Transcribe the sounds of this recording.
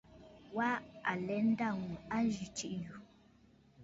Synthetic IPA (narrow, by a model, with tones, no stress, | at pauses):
wa˦a˨lɛ˨˦n̩˦da˦˨ŋu˨a˦d͡ʒi˨t͡ʃi˦ʔju˨